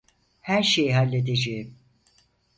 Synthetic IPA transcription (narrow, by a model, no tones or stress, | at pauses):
hæɾʃe̞jiɦalʲːe̞d̪ed͡ʒejim